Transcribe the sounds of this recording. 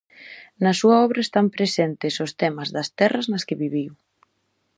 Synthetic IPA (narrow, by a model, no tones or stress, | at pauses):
nɐsuɐɔβɾɐest̪ampɾesɛnt̪ɪsost̪ɛmɐzðɐst̪ɛrɐznɐskeβiβiw